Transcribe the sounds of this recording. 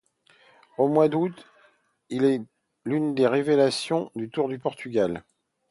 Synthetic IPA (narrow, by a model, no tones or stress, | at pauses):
omwad̪ut̪ | ilɛ | lynd̪eʁevelasjɔ̃d̪yt̪uʁd̪ypɔʁt̪yɡʲal